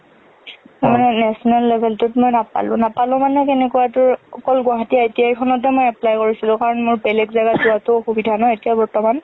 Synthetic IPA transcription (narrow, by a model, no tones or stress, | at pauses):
taɹmanɛnɛsɔnalːebʱɛltʊtmojnapa̰lʊ̃napalʊ̃manɛkenɛkuwatʊɹɔkɔlɡʊaɦatijaetijaikʰɔnɔtɛmojɛplajkoɹisilʊ̃kaɹɔnmʊɹbɛlɛkzaɡatzuatʊxubidʱanɔetijabɔɹtɔman